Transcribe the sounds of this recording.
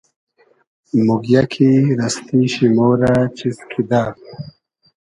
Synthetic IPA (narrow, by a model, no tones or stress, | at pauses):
muɡjakʰiɾɐst̪ʰiɕimoːɾat͡ɕiskʰid̪a